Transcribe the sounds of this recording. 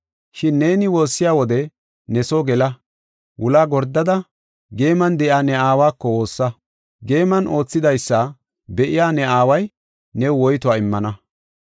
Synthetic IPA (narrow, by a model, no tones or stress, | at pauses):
ʃɪnːe̞ːnɪwo̞ːsːɪjaːwɔd̪ɛ | nɛsoɡɛlɐ | wʔʊlaːɡɔɾd̪ːɐd̪ɐ | ɡe̞ːmɐnd̪ɛʔjaːnɛaːwaːkːɔwo̞ːsːɐ | ɡe̞ːmɐnʔo̞ːt͡sːɪd̪ɐjsːɐ | bɛʔɪjaːnɛaːwɐj | nɛwwɔjt̪ʊwaːɪmːɐnɐ